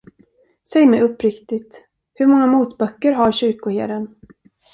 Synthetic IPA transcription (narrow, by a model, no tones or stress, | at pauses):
sɛjmɛjɵpːɾɪkt̪ɪt̪ | hɵɾmɔŋːamuːt̪bœkːəɾɦaɾɕʏɾkʊheːd̪ən